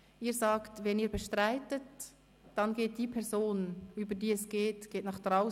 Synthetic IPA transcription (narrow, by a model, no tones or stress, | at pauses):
ʔiːɾzɑːktvɛniːbɛʃtʁaɪtət | d̥ɑnɡeːt̚d̥iːpʰɛʁzoːnyːbədiːɛsɡ̥eːtɡ̥eːtnɑχd̥ʁaʊ